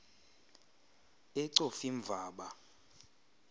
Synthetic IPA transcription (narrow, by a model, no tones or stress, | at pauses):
ɛǀofiɱb̪vʱaːɓa